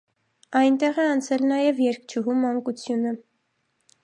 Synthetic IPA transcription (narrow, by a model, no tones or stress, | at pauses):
ɑjnt̪ɛʁɛɑnt͡sʰɛlnɑjɛvjɛɾk̚ʰt͡ʃʰuɦumɑŋkut͡sʰjunə